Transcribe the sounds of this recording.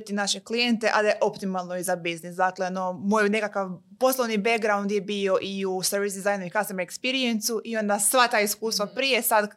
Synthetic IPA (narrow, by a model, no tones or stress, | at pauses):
t̪inaʃeklijent̪eʔad̪ajeʔo̞pt̪imalˠno̞izabiznisd̪akleonomojne̞kakaʋ | po̞slˠoʋnibeɡɡɾaund̪jebio̞ʔiuseɾʋisd̪izajnuikast̪emaekspiɾient̪suʔio̞nd̪asʋat̪aːiskuːst̪ʋapɾijesad̪